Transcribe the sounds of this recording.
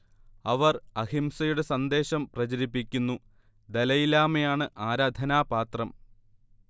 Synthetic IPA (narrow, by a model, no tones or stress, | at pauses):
ɐʋɐrɐhimsɐjuɽe̞sɐnd̪e̞ːɕɐmprɐt͡ɕɐɾipːikʲːunːu | d̪ɐlɐjilaːmejaːɳɨʔaːɾaːd̪ʱɐnaːpaːt̪rɐm